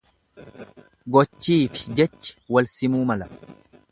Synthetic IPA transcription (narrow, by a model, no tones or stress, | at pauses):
ɡɔt͡ʃːiːfɪ̥d͡ʒɛt͡ʃːɪ̥wɐlsɪmuːmɐlɐ